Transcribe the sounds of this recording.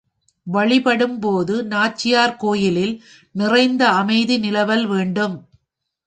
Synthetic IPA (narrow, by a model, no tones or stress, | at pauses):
ʋɐɭɪpɐɽɯmpoːðɯnaːt͡ʃːɪjaːɾkoːjɪlɪl | nɪrɐɪnd̪ɐɐmɐɪðinɪlɐʋɐlʋeːɳɖɯm